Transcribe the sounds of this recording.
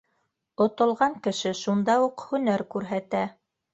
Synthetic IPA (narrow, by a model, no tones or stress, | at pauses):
ŏt̪ŏlˠʁɑŋkɘ̆ʃɘʃund̪ɑuqhɵ̆næɾkʉɾɦæt̪æ